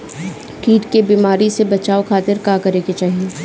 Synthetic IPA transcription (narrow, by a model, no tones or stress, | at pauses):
kiːʈkebiːmaːɾisebɐt͡ʃaːokʰaːt̪ɪɾkaːkɐɾeːɡet͡ʃaːɦieː